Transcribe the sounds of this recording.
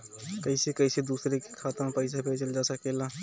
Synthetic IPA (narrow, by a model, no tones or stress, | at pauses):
kəɪsekəɪsed̪usɾeke̥kʰat̪əmpəɪsabʱet͡ʃəld͡ʒasəkela